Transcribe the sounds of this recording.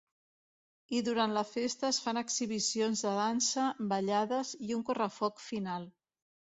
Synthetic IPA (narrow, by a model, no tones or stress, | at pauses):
iðuɾant̪ləfest̪əːsfanəksiβ̞isionzðəðansəbəʎaðəziuŋkurəfɔkfinalˠ